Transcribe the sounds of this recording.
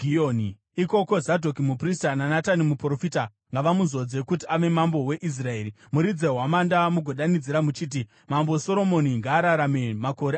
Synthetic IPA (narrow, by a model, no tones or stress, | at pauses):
ioni | iko̞ko̞zadʱo̞kimupristananatanimupro̞fita | ŋɡaʋamuzo̞d͡ze̞kutiaʋe̞mambo̞we̞ʔis̬rae̞ːɾi | muɾid͡ze̞ɦwamandamuɡʱoɗanid͡ziɾamut͡ʃiːt̬i | mamboso̞ɾo̞mo̞niŋɡaːɾaɾamemako̞ɾe